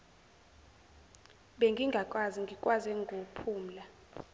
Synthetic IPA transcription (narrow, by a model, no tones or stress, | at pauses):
ɓeŋɡʱiŋɡʱakʼwaziŋɡʱikʼwazɛŋɡʱopʰuːm̩la